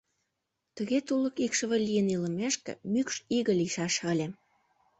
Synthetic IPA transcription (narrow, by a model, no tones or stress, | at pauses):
t̪ə̆ɣet̪ulə̆kikʃə̆βĕlʲijənilə̆meʃkḛmykʃiɣə̆liʃɑʃəlʲe